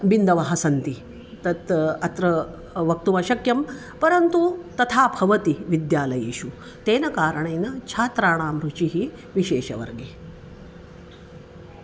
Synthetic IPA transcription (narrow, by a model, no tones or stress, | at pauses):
bind̪ɐʋɐɦɐsɐnt̪i | t̪ɐt̪ɐt̪ɾɐ | ʋɐk̚t̪uʋɐʃɐkjɐm | pɐɾɐnt̪ut̪ɐt̪ʰaːbʱɐʋɐt̪iʋid̪jaːlɐjḛːʃu | t̪eːnɐkaːɾɐɳɐjnɐt͡ʃʰaːt̪ɾaːɳ̃aːmɾut͡ʃiɦi | ʋiʃeːʃɐ̰ʋɐ̰ɾɡeː